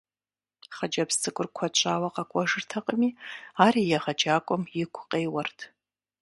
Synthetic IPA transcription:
χɐd͡ʒɐpstʰʼɨkʷʼʊrkʷʰɐt͡ʃʷʼaːwɐqɐkʷʼɔʐɨrtʰɐqʼəmiːaːɾiːjɛʁɐd͡ʒaːkʷʼɔmjɪkʷʰqʼeːwɐrtʰ

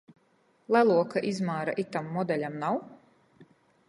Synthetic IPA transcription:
lˠælˠuɔkaʔizmaːɾaʔit̪amːɔd̪ɛlʲamnaw

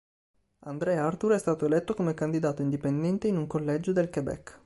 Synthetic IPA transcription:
and̪ɾɛart̪uɾɛst̪aːt̪oelɛt̪ːokomekand̪id̪aːt̪oind̪ipend̪ɛnt̪einuŋkolːɛd͡ʒod̪elkebɛ̰kː

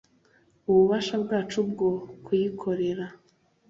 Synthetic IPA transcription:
uβuβaʃabɡaːt͡ʃub̚ɡo̞kʰujikʰo̞ɾe̞ɾa

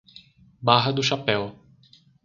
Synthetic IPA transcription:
baɦɐd̪ʊʃapɛw

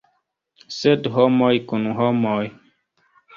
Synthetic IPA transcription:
sɛdɦɔmɔjkunuɦɔmɔj

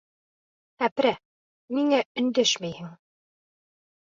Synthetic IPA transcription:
æpɾæ | miŋæɵ̆nd̪æʃmæjhɘŋ

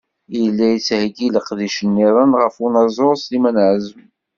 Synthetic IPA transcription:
jəlːæjət͡sːhɡiləqðiʃənːiɾˤənʁəfunɑzˤoɾˤslimænʕzəm

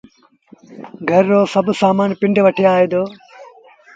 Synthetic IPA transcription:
ɡʱɐɾːoːsɐbsaːmaːnpɪ̃ɳɖʋɐʈʰeaːɦeːd̪oː

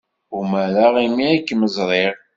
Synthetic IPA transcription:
umæɾaʁimiikːməzˤɾˤeʁ

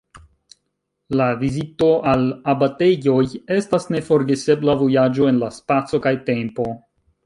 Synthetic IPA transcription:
lavizito̞ʔalabate̞jo̞je̞stasne̞fo̞ɾɡe̞se̞blavo̞jad͡ʒo̞e̞nlaspat͡so̞kajte̞mpo̞

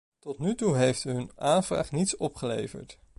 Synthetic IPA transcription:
tɔtnytuɦejftɦɵnaːnv̥ra̰ːχnitsɔpχəlḛjvə̰ɹt

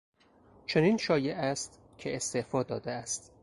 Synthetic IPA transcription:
t͡ʃʰe̞niːnʃɒːje̞ʔæst̪ | cʰeest̪efɒːd̪ɒːd̪eæst̪

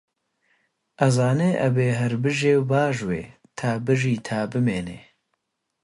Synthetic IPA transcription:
ʔɐzaːneːʔɐbeːɦɐɾbɨʒeːwbaːʒwḛː | t̪ʰaːbɨʒiːt̪ʰaːbɨmeːnḛː

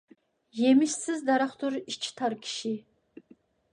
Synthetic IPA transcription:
jemɪʃsɨzd̪aɾaχt̪ʰuɾiʃt͡ʃʰt̪ʰaɾkʲʰi̥ʃi

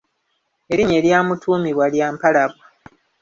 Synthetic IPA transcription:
eɾiɲe̞ɾjaːmutʰuːmiβwaljaːmpalaβwa

